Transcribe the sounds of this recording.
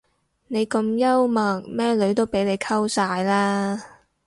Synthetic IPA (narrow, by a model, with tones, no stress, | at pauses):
ne˨˧jkɐ˧mjɐ˥wmɐ˨˩ŋ̚mɛː˥lɵ˨˥ɥt̪o˥wpe˨˥jle˨˧jkʰɐ˥wsaː˧jlaː˥